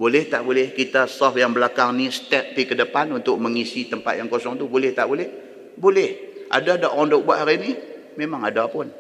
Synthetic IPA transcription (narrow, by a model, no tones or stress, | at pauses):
bolɛht̪aʔbolɛhkit̪asɔfjaŋbəlakaŋnist̪ɛp̚dikədəpanunt̪ʊk̚məŋisit̪əmpat̪̚jaŋkosɔŋt̪ubolɛht̪a̰ʔbolɛh | bolɛhʔa̰dadaʔɔndɔʔ̚buaʔɦaɾini | memaŋadapʊn